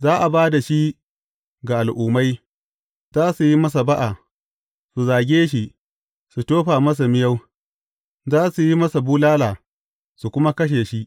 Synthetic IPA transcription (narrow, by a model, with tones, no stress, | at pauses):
zaː˦ʔa˨baː˦da˨ʃi˦ | ɡa˨ʔa˨lʔuː˨ma˦j | zaː˦su˨ji˦mɐ˦s̬a˨ba˦ʔa˨ | su˨zaː˨ɡʲeː˦ʃ̬i˦ʔ | su˨toː˦ɸaː˨mɐ˦s̬a˨mɪ˦ja˦w | zaː˦su˨ji˦mɐ˦sa˨buː˦laː˦laː˨ | su˨kʷʊ˦ma˦kɐ˦ʃ̬eː˨ʃi˦ʔ